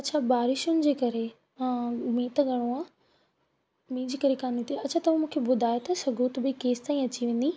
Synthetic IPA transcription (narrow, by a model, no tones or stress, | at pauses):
ɐtːt͡ɕʰabaːɾɪʃʊnɪ̆d͡ʑeːkɐɾe | mĩːt̪ɡɐɽ̃uaː | mĩːd͡ʑiːkɐɾekaːnit̪ʰeɐt͡ɕʰat̪ɐʋũmũːkʰebʊd̪ʱaːet̪ɐsɐɡʱut̪bɪkeːst̪aːĩɐt͡ɕiʋẽːn̆d̪i